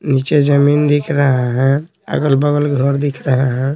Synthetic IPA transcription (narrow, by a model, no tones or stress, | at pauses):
nit͡ʃed͡ʒəmind̪ikʰɾəɦaɦɛ̃ | ə̰ɡəlbəɡəlɡʱəɾd̪ikʰɾəɦaɦɛ̃